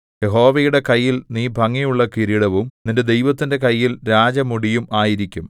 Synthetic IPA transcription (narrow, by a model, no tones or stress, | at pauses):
je̞ɦo̞ːʋejuɽe̞kɐjːilniːbʱɐŋːijuɭːɐkiɾiɽɐʋumninde̞d̪e̞jʋɐt̪ːinde̞kɐjːilɾaːd͡ʑɐmuɽijumaːjiɾikʲːum